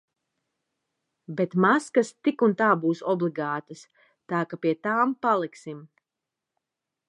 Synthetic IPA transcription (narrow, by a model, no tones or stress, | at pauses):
bet̪maskast̪ikunt̪aːbuːsɔblˠiɡaːt̪ɐs | t̪aːkapiɛt̪aːmpalˠiksim